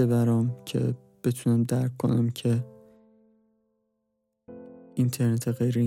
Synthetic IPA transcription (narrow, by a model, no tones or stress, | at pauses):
ebæɾɒmcʰe̞̰ | b̥e̞t̪ʰunæmd̪æɾkʰkːo̞̰næ̰mcʰe̞ | int̪ʰe̞ɾnet̪ʰeɣejɾe